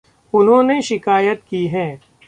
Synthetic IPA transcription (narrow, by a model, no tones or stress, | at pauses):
ʊnɦõːneʃɪkaːjət̪kiːɦɛ̃ː